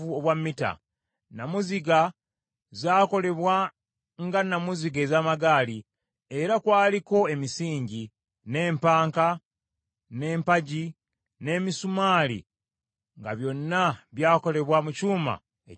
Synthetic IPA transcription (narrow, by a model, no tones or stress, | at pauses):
uo̞βwamːita̰ | namuziɡa | zaːko̞le̞βwa | ŋɡanamuziɡezaːmaɡaːli | e̞ɾakwaːliko̞e̞misiːɲɟi | ne̞ːmpaːŋka | ne̞ːmpaɟi | ne̞ːmisumaːlḭ | ŋɡaβjo̞nːaβjaːko̞le̞βwamucuːma̰ | e